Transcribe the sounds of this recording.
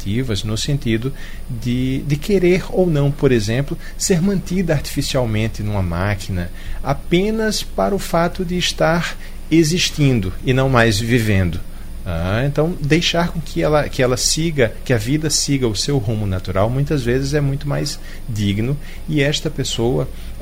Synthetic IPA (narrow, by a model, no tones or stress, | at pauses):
t̪ʰivɐznʊsẽnt̪id̪ʊ | d̪ɪd̪ɪkʰeɾeɾownɐ̃w̃poɾezẽmplʊ | seɾmɐ̃nt̪id̪ɐaɾt̪i̥fisiawmẽnt̪ɪnũmɐmakʰinɐ | apẽnɐspaɾɐʊfat̪ʊd̪ɪːst̪aɾ | eziʃt̪ĩnd̪ʊɪnɐ̃w̃majzvivẽnd̪ʊ | aẽnt̪ɐ̃w̃d̪ejʃaɾkõkʰɪɛlɐkɪɛlɐsiɡɐkɪɐvid̪ɐsiɡɐʊsewɦũmʊnat̪uɾawmũj̃t̪ɐzvezɪzɛmũj̃t̪ʊmajz | d̪iɡnʊ | ɪɛst̪ɐpesowɐ